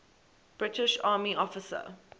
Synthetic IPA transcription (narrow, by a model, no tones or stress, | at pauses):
b̥ɹɪtɪʃɑːmiʔɔfɪsə̰